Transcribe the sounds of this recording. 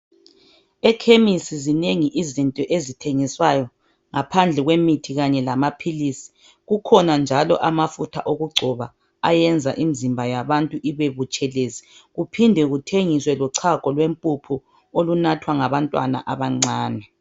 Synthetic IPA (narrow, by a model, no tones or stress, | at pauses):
ɛkʰemisizineŋiʔizintʼɔʔezitʰeŋiswajɔ | ŋapʰand͡ɮʱɛɣwemitʰiɣaɲɛlamapʰilisi̥ | ɣukʰɔnand͡ʒʱalɔ̰ʔamafutʰa̰ʔoɣuɡ͡ǀʱɔβa | ajɛnd͡zʱaʔimizimbʱajaβantʼuʔiβeβut͡ʃʼɛleziɣupʰindʱɛɣutʰeŋiswɛlɔǀʰakʼɔlwempʼupʼʰu | olunatʰwaŋaβantʼwa̰na̰ʔaβaŋ͡ǀaːnɛ